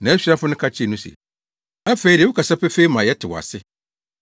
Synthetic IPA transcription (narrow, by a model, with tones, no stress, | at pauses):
nã˨˦æ˦ɕᶣi˦a˦fʊ˦nʊ̃˦kʰa˦t͡ɕʰi˦e˨nũ˦sɛ̰˨ | æ˦fe˨˦i˦ɾi˨wʊ˦kʰa˨sa˦pʰɛ˦fe˦i˦mã˨jɛ˦tʰɪ˨wɔ˨a̰˨sɪ˦